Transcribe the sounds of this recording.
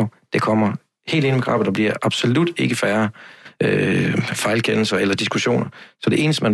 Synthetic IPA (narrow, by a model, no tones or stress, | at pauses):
od̥e̝kʰɒ̽m̰ɐ | he̝̰ːld̥e̝nəmɡ̥ʁɑ̰̈b̥̩ˠd̥ɑb̥liɐ̰ʔɑ̈b̥so̝lud̥e̝ɡ̥əfæːɐʔøfɑ̈ɪlkʰen̰l̩sɐelɐd̥isɡ̥uɕo̝̰ːnɐsɒ̽d̥e̝ʔe̝ːnəsd̥əmæn